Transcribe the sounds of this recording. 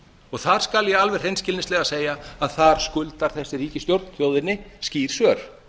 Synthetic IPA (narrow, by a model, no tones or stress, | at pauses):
ɔɣθaɾ̥skaljɛalvɛr̥hejnscɪlnɪslɛɣaseːjaaðθaɾ̥skʏlt̪aɾ̥θɛsːɪɾiːcɪst̪jowɾt̪nθjoːwðɪnːɪsciːɾ̥sœɾ̥